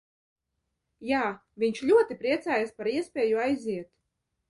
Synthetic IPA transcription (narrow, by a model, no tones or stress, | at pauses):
jaː | vʲiɲʲʃlʲuɔt̪ipɾiɛt̪saːjaspaɾiɛspʲɛːjuajziɛt̪